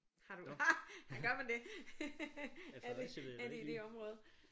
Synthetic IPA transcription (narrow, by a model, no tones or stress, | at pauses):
hɑ̈d̥uhahænɡ̥ɶɐmænd̥e | ædeæɐd̥eid̥e̝ɒ̽mʁɔ̽ːð̞ˠ